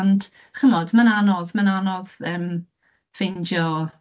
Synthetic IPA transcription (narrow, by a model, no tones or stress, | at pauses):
nd | χəmɔdmananɔðmananɔðəːm | v̥ɪndjɔ